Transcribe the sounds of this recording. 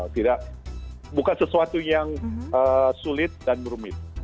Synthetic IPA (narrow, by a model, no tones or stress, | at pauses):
t̪idak | bukansəsuat̪ujaŋəsulɪt̪̚danməɾumɪt̪̚